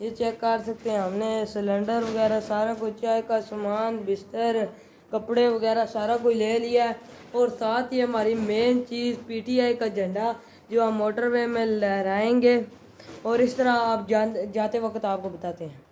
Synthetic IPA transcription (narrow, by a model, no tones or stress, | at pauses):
jeːt͡ʃɛːkːəɾsək̚t̪eɦɛ̃ɦəmnesələ̃ɳɖəɾʋəɡɛːɾasaːɾakoit͡ʃaːikasəmaːnbɪst̪əɾ | kəpɽeʋəɡɛːɾasaːɾak̬oileːlɪjaɛ | ɔːɾsaːt̪ʰjeɦəmaːɾimeːnt͡ʃiːzpiːʈiːaːikad͡ʒəɳɖaː | d͡ʒoːaːmoːʈəɾʋeːmẽlɾaːẽːŋɡeː | ɔːɾɪst̪əɾaaːp̚d͡ʒd͡ʒaːt̪eʋəkət̪aːp̚kobət̪aːt̪eɦɛ̃ː